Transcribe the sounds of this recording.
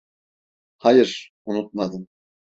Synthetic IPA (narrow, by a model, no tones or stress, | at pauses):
hajɯɾ | unut̪̚mad̪ɯm